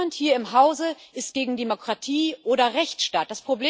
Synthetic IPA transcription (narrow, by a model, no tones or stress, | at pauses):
anthiːɐɪmɦaʊzəʔɪstɡ̥eːɡŋ̩demokʁ̥atʰiːʔoːɾɐʁɛçtʃtaːt̚d̥aspʁ̥obleː